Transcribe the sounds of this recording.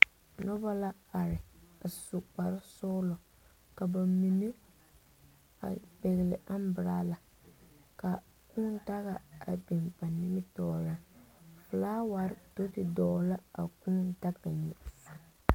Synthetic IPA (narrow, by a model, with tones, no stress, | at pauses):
nɔ˦ba˦la˦a˨ɾɪ˨a˨sʊ˨k͡pa˨ɾɪ˦sɔ˦lɔ˨ | ka˨ba˨mi˨ne˦ | a̰˨bɛ˨ɣɪ˨lɪ˨ʔa˦m˦bɨ˨ɾaː˦la˨ | ka˨ | kuː˦nta˦ɣa˨a˨be˨npa˨nɪ˦mɪ˦tɔː˦ɾa˦fʊ˨laː˦wa˨ɾɪ˦to˦tɪ˨dɔː˨˦la˦a̰˨kuː˦nta˦ɡa˨ɲi˨